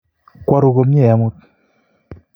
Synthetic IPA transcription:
kwa˦ɾo˨ɡo˨m˦e˦˨ja˨mu˦t̚

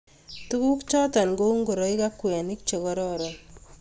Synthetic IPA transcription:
tu˦ku˦kt͡ʃɔ˦ta˨nɡo˦u˦ŋɡo˨ɾɔ˨ɪ˦ka˦kːwɛ˨nɪ˦k̚t͡ʃɔ˨kɔ˦ɾɔ˦ɾɔ˨

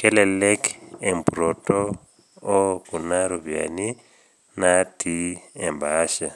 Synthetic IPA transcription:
kɛ˦lɛ˨lɛ˦kɛ˨mpɾo˨tɔː˦ | ku˨na˦ɾo˨bja̰˨ni˦ | na˦tʰi˦ɛ˨mba˦ʃa˨

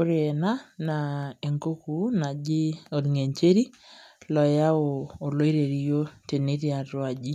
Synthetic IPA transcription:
o˦ɾe˨ɛ˨na˦na˨e˨ŋko˦ku˦na˨d͡ʒi˦o˨tŋe˨ɲt͡ʃe˦ɾi˦lɔ˨ja˦oː˨lo˦i˦ɾe˨ɾi˦jo˦te˨ne˦ɾi˦a˨twa˨d͡ʒi˦

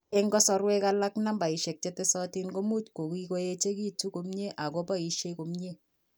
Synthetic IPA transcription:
ɛ˦ŋɡɔ˦sɔ˦ɾwɛ˦ka˦la˦kna˦mba˨i˨ʃe˨k̚t͡ʃe˦te˦sɔ˦ti˦nko˦mu˦tko˨ki˦ko˦je˦t͡ʃe˦ki˦tu˦ko˦mɲe˦ʔa˨ko˦pa˦i˨ʃje˦ko˨mɲe˦

